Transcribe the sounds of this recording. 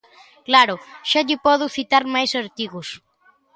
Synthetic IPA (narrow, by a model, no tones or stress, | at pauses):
klaɾʊʃaʎɪpɔðuθit̪aɾmajsaɾt̪iɣus